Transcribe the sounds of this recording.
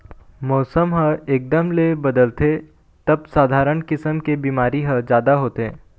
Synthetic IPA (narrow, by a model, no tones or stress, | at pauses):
mɔːsəmɦəeːk̚d̪əmlebɐd̪əlt̪e | t̪ɐb̚saːd̪ʱaːɾəɳkɪsəmkebiːmaːɾiɦəd͡ʒjaːd̪aɦoːt̪eː